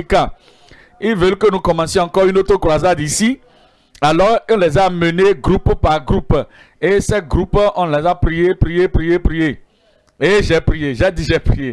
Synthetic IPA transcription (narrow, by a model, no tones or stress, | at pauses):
ka | ilvɛlkənukɔmãsjɔ̃ãkɔʁynot̪okʁwazad̪isi | alɔʁɔ̃lɛzaməneɡʁuppaʁɡɾup | esɛɡʁupɔ̃lɛzaprijepɾijepʁijepɾije | eʒɛpɾijeʒɛd̪iʒɛpχije